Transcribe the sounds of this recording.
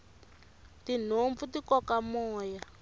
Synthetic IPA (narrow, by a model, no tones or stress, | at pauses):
tin̤oɱvutikɔkamɔːja